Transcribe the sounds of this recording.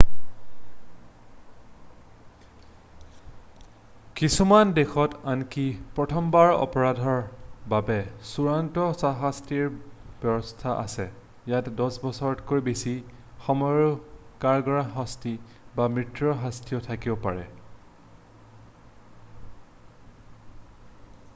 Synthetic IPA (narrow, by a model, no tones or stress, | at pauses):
kisumandexɔtankipɹɔtʰɔmbaɹɔ̰pɔɹadʱɔɹbabɛsuɹantɔsaɦastiɹb̥ɛbɔstʰaʔa̰sɛ | jatɛdɔsbɔsɔɹɔtkoɹjbesi | xɔmɔjɹkaɹɡɔɹaɦɔsti | bamɹitɹɔɦastʰijɔtʰakibɔpaɹɛ